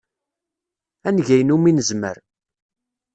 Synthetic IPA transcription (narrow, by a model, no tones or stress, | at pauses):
ænʝæjənuminəzmə̰ɾ